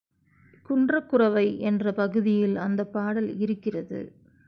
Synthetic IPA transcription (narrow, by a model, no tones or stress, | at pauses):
kʊɳdrɐkːʊrɐʋɐɪʔɛndrɐpɐɣɯðɪjɪlɐnd̪ɐpːaːɽɐlɪɾɯkːɪrɐðɯ̰